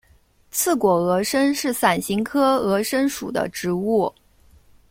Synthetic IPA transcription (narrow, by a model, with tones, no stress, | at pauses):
t͡sʰɹ̩˥˩kwɔ˨˩ɤ˧˥ʂə˥nʂɻ̩˥˩sa˨˩nɕi˧˥ŋkʰɤ˥ɤ˧˥ʂə˥nʂṵ˨˩d̪ə̰˦ʈ͡ʂɻ̩˧˥u˥˩